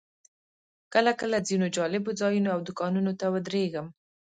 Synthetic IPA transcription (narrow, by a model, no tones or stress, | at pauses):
kəlakəlazinod͡ʒɑlɪbod͡zɑjunoawd̪ʊkɑnunot̪awəd̪ɾeɡəm